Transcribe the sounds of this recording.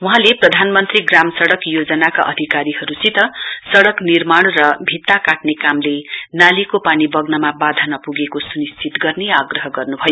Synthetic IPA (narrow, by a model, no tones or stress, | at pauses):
uɦãleprʌd̪ʱanmʌnt̪riɡramsʌɽʌkjod͡zʌnaka̰ʔʌd̪ʱikaɾihʌɾut͡sit̪ʌsʌɽʌknirmaɽ̃rʌbʱit̪ːakaʈnekamlenalikopanibʌɡnʌmabad̪ʱanʌpuɡekosunist͡sit̪ɡʌrneaɡrʌɦʌɡʌrnubʱʌjo